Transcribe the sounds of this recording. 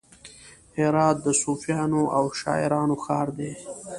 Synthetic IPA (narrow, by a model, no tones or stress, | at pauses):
heɾɑːt̪̚d̪əsuːfijɑːnoʔawʃɑ̰ːɪ̰ɾɑːnoxɑːɾd̪eː